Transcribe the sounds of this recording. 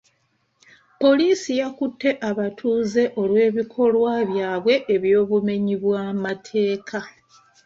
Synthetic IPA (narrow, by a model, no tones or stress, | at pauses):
po̞liːsijakutːe̞ʔaβatʰuːze̞ʔo̞lwe̞ːβikʰo̞lwaβjaːβwe̞ʔeβjo̞ːβume̞ɲiβwaːmatʰe̞ːkʰa